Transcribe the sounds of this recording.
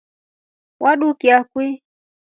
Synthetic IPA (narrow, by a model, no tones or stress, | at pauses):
wʔaɗukiakwi